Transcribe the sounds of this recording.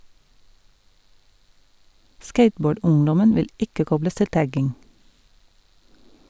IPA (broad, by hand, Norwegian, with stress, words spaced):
ˈskeɪtˌboːˌɖʊŋdɔmən ˈʋɪl ˈɪkə ˈkɔbləs ˈtɪl ˈtæɡɪŋ